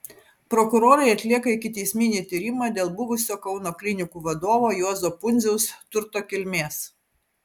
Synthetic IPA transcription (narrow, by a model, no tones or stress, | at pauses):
pɾɔkʊɾoːɾɐɪɐt̪ʲlʲiɛkɐɪkʲɪt̪ʲɛɪsʲmʲɪnʲiːt̪ʲiɾʲɪmɑːd̪ʲeːlˠbʊʋʊsʲoːkɒʊnoːklʲɪnʲɪkuːʋɐd̪oːʋoːjuɔzoːpʊnʲzʲɛʊst̪ʊɾt̪oːkʲɪlʲmʲeːs